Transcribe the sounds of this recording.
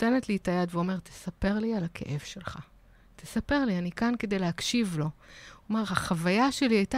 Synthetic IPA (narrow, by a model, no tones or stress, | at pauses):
tenetlitajadveo̞me̞ʁt̪ʰe̥sape̞ʁlialakʰe̞̰ʔe̞v̥ʃe̞lχa̰ | t̪ʰesape̞ʁlianikanke̞d̪ejleɦakʃivlo̞omaʁhaχavajaʃe̞liajta